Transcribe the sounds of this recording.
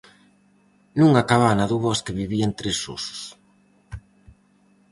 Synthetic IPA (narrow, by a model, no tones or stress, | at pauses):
nũŋakaβanaðuβɔskeβiβiaent̪ɾesṵsʊ̥s